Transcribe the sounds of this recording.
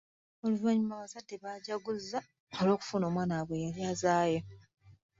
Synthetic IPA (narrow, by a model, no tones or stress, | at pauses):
oluvaɲumaβazadːeβaːɟaɡuzːa | olo̞ːku̥funo̞ːmwaːnaβwe̞jaljaːzaːjo